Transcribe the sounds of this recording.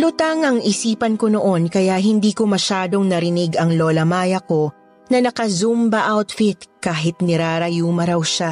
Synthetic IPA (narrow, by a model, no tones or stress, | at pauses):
lʊt̪aŋɐŋʔɪsiːpɐnko̞no̞ʔo̞nkɐjaʔɦɪnd̪iːko̞mɐʃaːd̪o̞ŋnɐɾɪnɪɡɐŋloːlɐmaːjɐko̞ | nɐnɐkɐzumbɐʔawt̪fɪt̪̚kaːɦɪt̪nɪɾaːɾɐjuːmɐɾɐwʃa